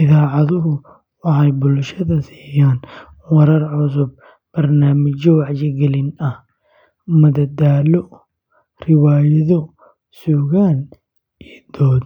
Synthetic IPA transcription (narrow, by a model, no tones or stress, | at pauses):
ʔɪðaːʕɑðʊɦʊ | wɑħɑjbʊlʃɐðɐsi̥ːjaːn | wɐɾɐɾʕʊs̬ʊb̚ | b̥ɐrnaːmɪd͡ʒɪwɑʕd͡ʒɪɡɛlɪnɐh | mɐd̪ɐd̪aːlɔ | rɪwaːjɐðɔ | suːɣaːn | ɛːd̪ɔːd̪